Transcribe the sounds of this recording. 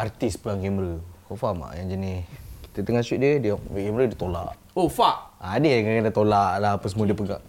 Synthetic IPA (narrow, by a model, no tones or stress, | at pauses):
art̪ispəlaŋɡɛməɾəkɔfama̰ʔjaŋd͡ʒanisi̥t̪ət̪əŋasut̪̚diədəʔɡɛməɾədət̪ola̰ʔ | ofaʔaːdəjjaŋkakadat̪olaʔlaɦapəsəmuadəpəɡa̰ʔ